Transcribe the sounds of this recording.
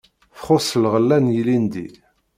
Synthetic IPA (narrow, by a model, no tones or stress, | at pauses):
fχosəlʁəlːænjilind̪ḭ